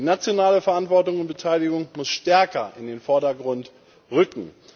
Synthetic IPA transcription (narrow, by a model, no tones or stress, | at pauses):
dinat͡sjonaːləfɛɐʔantv̥ɔɐtʊŋʊnt̚b̥ətʰaɪlɪɡʊŋmʊsʃtɛɐkɐʔɪndeːnfɔɐɾɐɡʁʊnt | ʁʏkŋ̩